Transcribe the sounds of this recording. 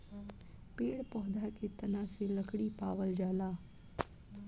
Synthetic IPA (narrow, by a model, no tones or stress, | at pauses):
peːɽpɔːd̪aket̪ɐnãseləkɽipaːʋəld͡ʒaːlaː